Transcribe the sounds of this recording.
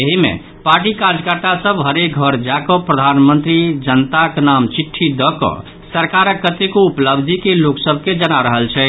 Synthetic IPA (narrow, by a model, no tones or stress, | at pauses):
eɦimḛ̃ | paɾʈikad͡ʒkəɾt̪asəbɦəɾek̚ɡʱəɾd͡ʒakɔpɾəd̪ʱanmənt̪ɾid͡ʒənt̪aknamt͡ʃiʈʰːid̪ɔkɔ̰ | səɾkaɾəkːət̪ekoupləbd̪ʱikeloksəbʱked͡ʒənaɾəɦəlt͡ʃʰɛ